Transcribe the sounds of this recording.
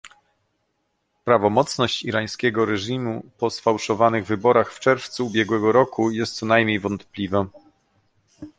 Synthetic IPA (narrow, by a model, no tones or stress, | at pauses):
pɾavɔmɔt̪snɔɕt͡ɕiɾaj̃skʲɛɡɔɾɛʐimupɔsfawʂɔvanɘɣvɘbɔɾaxft͡ʂɛɾft̪suːbʲjɛɡwɛɡɔɾɔkujɛst̪sɔnajmʲɲejvɔnt̪plʲiva